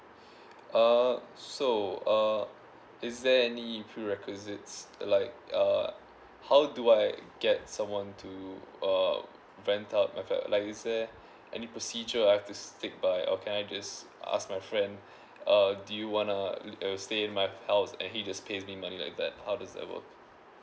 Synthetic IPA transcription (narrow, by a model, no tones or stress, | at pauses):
ʔʌsoʌ | ɪzdɛɛnipʰɹiɹɛkʰwɪzɪtslaɪk̚ʌ | haʊduaɪɡɛt̚sãmwɔ̃ntʰuʌ | ɹɛ̃ntʰaʊt̚maɪfa̰lʔaɪkɪzdɛ | ʔɛ̰nipɹɔsid͡ʒəaɪhɛftustɪk̚baɪʔɔ̰kʰɛ̃naɪd͡ʒʌsʔa̰sk̚maɪfɹɛ̃nd | ʌdujuwɔ̃nəsteɪ̃nmaɪhaʊsɛ̰̃nhid͡ʒaspʰezmimanila̰ɪk̚d̪ɛ̰t̚haʊdazdɛ̰t̚wə̰k̚